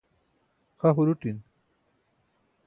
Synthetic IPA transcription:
xaɦuɾuʈin

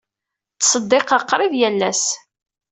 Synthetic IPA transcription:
t͡sːsəd̪ːɪqɑqːɾˤɪðjælːæs

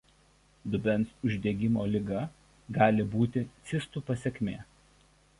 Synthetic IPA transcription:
d̪ʊbʲɛnsʊʒʲd̪ʲeːɡʲɪmoːlʲɪɡɐ | ɡɑːlʲɪbuːt̪ʲɪt̪sʲɪst̪uːpɐsʲɛkʲmʲeː

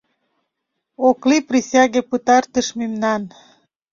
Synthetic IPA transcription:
okliprisʲɑɣepət̪ɑrt̪əʃmemnɑn

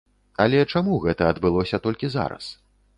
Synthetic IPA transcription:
ɐlʲɛt͡ʂamuɣɛt̪ɐːd̪bɨlˠɔsʲɐt̪ɔlʲkʲiza̰ɾɐ̰s

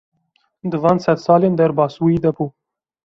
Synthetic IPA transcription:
d̪ɨvɑːnsɛd̪sɑːleːnd̪ɛɾbɑːsuːiːd̪ɛpuː

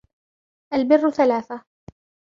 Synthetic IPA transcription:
ʔalbɪrːʊθalaːθa

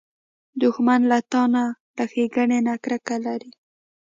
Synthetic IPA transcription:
d̪ʊxmanlat̪ɑnaləxeɡaɳenakɾakalaɾi

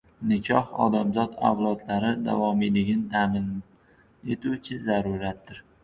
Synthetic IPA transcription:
nɪkʲʰɒhɒ̰d̪amzɒd̪a̰wlˠɒd̪laɾɪd̪a̰vɒmɪlɪɡʲɪnɪt̪ʰamɪn | e̞t̪ʰut͡ʃʰɪzaɾʊɾat̪ːɪɾ

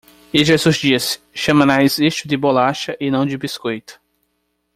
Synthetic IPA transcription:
eʒezuzd͡ʒiɐs | ʃɐ̃mɐ̃naeziʃtʊd̪ɪbolaʃɐʔɪnɐ̃w̃d͡ʒɪbiskojt̪ʊ̥

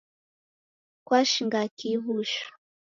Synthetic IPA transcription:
kwaʃiŋɡakiβuʃu̥

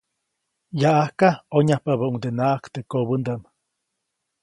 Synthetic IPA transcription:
jaʔahkaoɲahpaβauŋd̪enaʔakt̪ekoβənd̪am

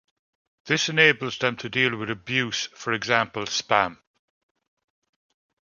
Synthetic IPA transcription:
ðɪsɪneɪbəlˠzðə̃mtʰədiːlˠwɪðəbjʉːˑsfəɹɪɡzãˑmpəlˠspãm

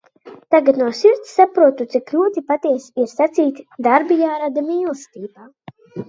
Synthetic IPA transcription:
t̪aɡat̪nuɔsiɾt̪sːapɾuɔt̪ut̪sikluɔt̪ipat̪iɛsiɾsat̪siːt̪ʲd̪aɾbijaːɾad̪amiːlˠst̪iːbaː

